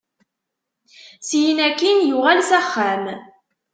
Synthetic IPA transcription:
sjinækːinjʊʁælsæχːæm

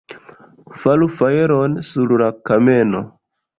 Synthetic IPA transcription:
falufajeɾonsuɾlakame̞no

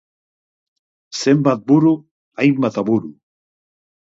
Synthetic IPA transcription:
sembat̪̚buɾu | ajmbat̪aβuɾu

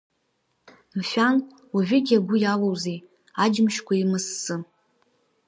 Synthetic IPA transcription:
mfʲᶣan | waʒʷᶣʏɡʲaɡʷʊjalowzej | ad͡ʒɪmʃkʷʰaimɨsːɨ

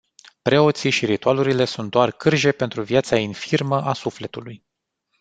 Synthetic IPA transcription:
pɾe̞o̞t̪siʃiɾit̪ualuɾile̞sunt̪̚d̪oarkɨrʒe̞pe̞nt̪ɾuvjat̪sainfirməʔasufle̞t̪uluj

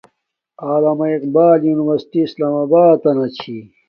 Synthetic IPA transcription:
aːlaːmɐiqbaːljuːniʋɐɾsi̥ʈiːslaːmabaːd̪ɐnɐt͡ɕʰi

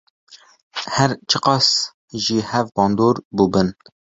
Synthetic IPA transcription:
hɛɾt͡ʃʰəqɑs | ʒiːhɛvbɑːnd̪oːɾbubɨn

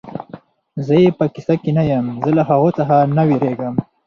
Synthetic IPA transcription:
zəjepəkisakinajəmzəlaɦaɣot͡saɦanawiɾeɡəm

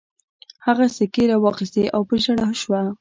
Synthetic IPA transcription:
haɣasekeɾawɑxist̪eʔawpəʒaɽaʃwa

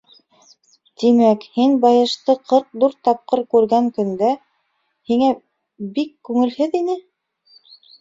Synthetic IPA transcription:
t̪imækhinbɑjɤ̆ʃt̪ɤqʰɤɾq̚ðuɾt̪ɑp̚qɤɾkʉɾɡæŋkɵ̆nd̪æ | hiŋæ | bikːʉŋɘ̆lhɘðinɘ

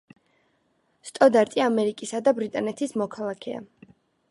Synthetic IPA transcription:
st̪ʼɔd̪aɾt̪ʼiamɛɾikʼisad̪abɾit̪ʼanɛt̪ʰismɔkʰalˠakʰɛ̰a̰

